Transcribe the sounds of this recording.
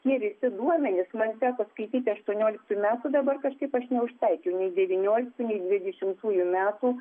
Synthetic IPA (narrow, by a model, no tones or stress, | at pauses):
t̪ʲiɛʋʲɪsʲɪd̪uɔmʲɛnʲɪsmɐnsʲæːkoːskɐɪt̪ʲiːt̪ʲɪɐʃt̪uɔnʲoːlʲɪkt̪uːjmʲæːt̪uːd̪ɐbɐrkɐʃkɐɪpɐʃnʲɛʊʃt̪ɐɪkʲɛʊnʲɛɪd̪ʲɛʋʲinʲoːlʲɪk̚t̪uːnʲɛɪd̪ʲʋʲɪd̪ʲɛʃʲɪmt̪uːjumʲæːt̪uː